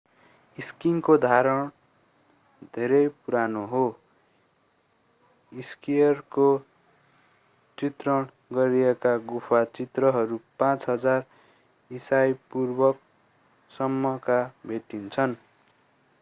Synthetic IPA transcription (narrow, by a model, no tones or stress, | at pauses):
iskinkod̪ʱaɾʌɽ̃ | d̪ʱeɾʌjpuɾanoɦo | iskijʌrko | t͡sit̪rʌɽ̃ | ɡʌɾiekaɡupʰat͡sit̪rʌɦʌɾupãt͡sɦʌd͡zar | isajpurbʌk̚ | sʌmːʌkabʱet̪int͡sʰʌn